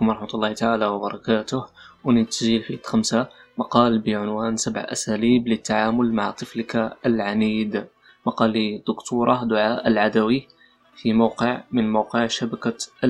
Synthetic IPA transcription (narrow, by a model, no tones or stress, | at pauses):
kʊmɾˤɑħmət̪lːɑht̪aʕalawbɑɾˤɑkaːt̪ʊhwnət̪ʒilfit̪xamsamɑqɑːlbəʕʊnwænsabʕʔæ̰sæliːblət̪ːaʕaːmʊlma̰ʕt̪ˤəflkaəlʕaniːd̪ | mɑqɑlːid̪ʊkt̪uɾˤɑd̪ʊʕaʔəlʕad̪æwi | fimawqəʕmənmawqəʕʃabæka